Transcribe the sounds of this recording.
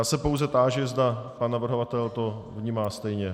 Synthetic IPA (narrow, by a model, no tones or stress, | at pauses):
jaːsɛpowzɛt̪aːʒɪzd̪apanːavr̩ɦovat̪ɛlt̪o̞vɲiːmaːst̪ɛjɲɛ